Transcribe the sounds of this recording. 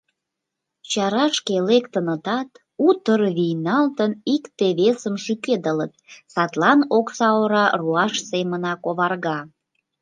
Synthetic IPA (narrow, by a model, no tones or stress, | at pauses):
t͡ɕɑɾɑʃkelekt̪ənət̪ɑt̪ | ut̪ərβijnɑlt̪ənikt̪eβesəmʃyked̪ələt̪̚sɑt̪lɑnoksɑoɾɑruɑʃsemənɑkoβɑrɣɑ